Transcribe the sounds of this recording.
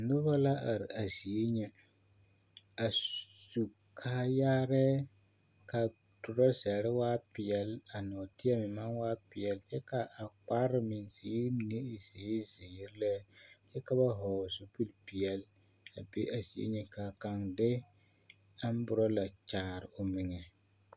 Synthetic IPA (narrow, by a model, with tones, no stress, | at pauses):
nʊ˦ba˦la˦ʔa˨ɾɪ˨a˨zi˨e˦ɲɛ˦ | a˨su˨ | kʰa˦jaː˦ɾɛ˦ | ka˨ | tʊ˨ɾɔ˦zɛ˨ɾɪ˦waː˦pɪ˨jɛ˨la˨nɔ˨tɪ˦ɛ˦mɪ˨ma˦nwaː˦pɪ˨jɛ˨lt͡ʃɛ˦ka˨ʔa˨k͡pa˦ɾɨ˦mɪ˨nzi˨˦m˨ne˦˨ze˨˦ze˨˦ɾlɛ˦t͡ʃɛ˦ka˦ba˦ɦɔ˨su˨pu˦lpi˨ɛ˨l | a˨bḛ˦ʔa˨zi˨ḛ˦ɲɛ˦ka˨ka˨ŋdɛ˦ | a˦m˦bʊ˨ɾɔ˦la˨t͡ʃaː˨ɾɪ˨o˨mɪ˨ŋɛ˨